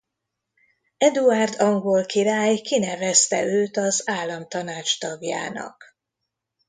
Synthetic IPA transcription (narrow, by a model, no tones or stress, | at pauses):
ɛd̪uard̪ɒŋɡolkiɾaːjkinɛvɛst̪ɛ̰ʔøːt̪ɒzaːlːɒmt̪ɒnaːt͡ʃt̪ɒɡja̰ːnɒ̰k